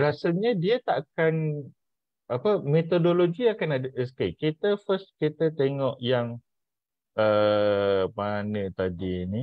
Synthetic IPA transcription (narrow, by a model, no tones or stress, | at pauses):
ɾasalɲədiət̪aʔakan | apəmet̪odoloɡiakanadəʔɛskekit̪əfəskit̪ət̪eŋɔʔjaŋ | ə | manət̪adini